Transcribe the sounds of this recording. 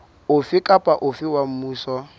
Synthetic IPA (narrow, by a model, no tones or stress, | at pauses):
ʊfɪkʼapʼaʔʊfɪwam̩muːsɔ